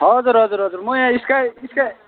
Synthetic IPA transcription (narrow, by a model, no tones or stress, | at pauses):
ɦʌd͡zuɾɦʌd͡zuɾɦʌd͡zuɾmujãiskaiska